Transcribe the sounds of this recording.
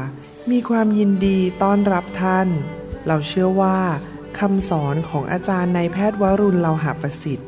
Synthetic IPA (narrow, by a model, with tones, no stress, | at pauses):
miː˧kʰwaː˧mji˧ndiː˧t̪ɔː˥˩nɾa˦˥p̚t̪ʰa˥˩nɾa˧wt͡ɕʰɯ˥˩əwaː˥˩ | kʰa˧msɔː˩˦nkʰɔː˩˦ŋʔa̰ː˧t͡ɕaː˧nːa˧jpʰɛː˥˩t̪̚wa˦˥ɾu˧nla˧wɦa˨˩pa˧si˨˩t̪̚